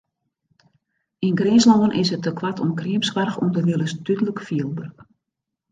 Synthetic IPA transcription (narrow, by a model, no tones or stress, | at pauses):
inɡrɪnslɔənʔɪsətəkwatʰɔmkriəmskʋarxṵmdərdɪlˠəsdytələkfiəlˠbərk